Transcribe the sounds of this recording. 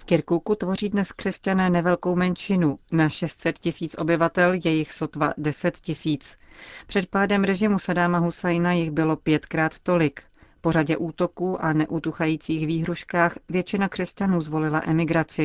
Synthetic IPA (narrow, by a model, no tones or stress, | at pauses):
fkɪɾkukut̪vo̞riːdnɛskr̥ɛscanɛːnɛvɛlko̞wmɛnt͡ʃɪnunaʃɛst̪sɛt̪cɪsiːt͡sʔo̞bɪvat̪ɛljɛjɪxso̞t̪va̰dɛsɛt̪cɪsiːt͡spr̥ɛt̪̚paːdɛmɾɛʒɪmusadaːmaɦusajnajɪɣbɪlo̞pjɛt̪kɾaːt̪ːo̞lɪk | po̞ɾaɟɛʔuːt̪o̞kuːʔanɛʔut̪uxajiːt͡siːxviːɦɾuʃkaːxvjɛt͡ʃɪnakr̥ɛscanuːzvo̞lɪlaʔɛmɪɡɾat͡sɪ